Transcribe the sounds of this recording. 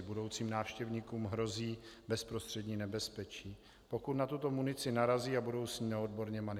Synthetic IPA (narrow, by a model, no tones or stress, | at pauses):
budo̞wt͡siːmnaːfʃcɛvɲiːkuːmɦɾo̞ziːbɛspɾost̪r̥ɛdɲiːnɛbɛspɛt͡ʃiː | po̞kut̪nat̪ut̪o̞munɪt͡sɪnaɾaziːabudo̞wsɲiːmaodbo̞ɾɲɛmanɪ